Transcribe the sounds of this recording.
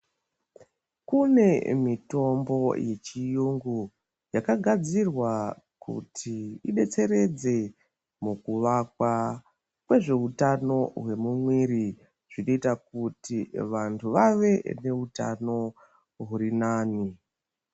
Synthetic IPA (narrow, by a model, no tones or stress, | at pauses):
kune̞mito̞mbo̞je̞t͡ʃijuŋɡu | jakaɡʱad͡zirwa | kṵtʰiiɓe̞t͡se̞ɾe̞d͡ze̞ | mukuʋakwa | kwe̞ʐe̞ɦutano̞ɦwe̞mumwiɾi | ʐ̥ino̞itakutiʋantʰuʋaʋe̞ne̞uta̰no̞ | ɦuɾinaːni